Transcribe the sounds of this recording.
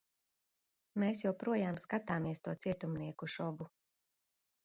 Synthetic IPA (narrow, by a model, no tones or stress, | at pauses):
meːsjawpɾuɔjaːmskat̪aːmiɛst̪uɔt̪siɛt̪umniɛkuʃɔɡu